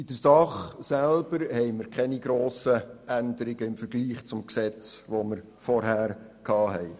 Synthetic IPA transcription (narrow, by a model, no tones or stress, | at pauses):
ɪd̥əɾsɑχsælb̥əɾhɛɪməɾkχɛniɡɾoːsəænd̪əɾɪɡ̥əɪmfəɾɡliːχt͡sʊmksɛt͡sʋoməɾ | fɔɾɦæːɾkʰɑːɦɛɪ